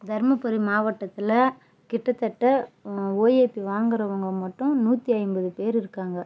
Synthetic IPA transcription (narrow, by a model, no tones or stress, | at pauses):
d̪ɐɾmɐpɐɾimaːʋɐʈːɐt̪ːɪlɐ | kɪʈːɐt̪ːɐʈːɐoːjeːpːiʋaːŋɡɪɾɐʋɐŋɡɐmɐʈːʊ̃nuːt̪ːiɐɪmbɐðɯpeːɾɪɾɯkːaːŋɡɐ